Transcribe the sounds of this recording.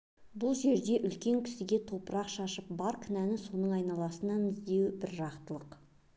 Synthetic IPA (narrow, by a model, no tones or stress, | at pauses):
bʊlˠʒe̞ɾd̪e̞ʔʏlkʲe̞ŋkʲʰɪ̥sɪɡʲe̞t̪ʰo̞pəɾɑqʃɑʃəp̚bɑɾkʲʰʏnænɪso̞nəɴɑjnɑlˠɑsənɑnɪzd̪e̞wɪbɪɾʒɑqt̪əlˠəq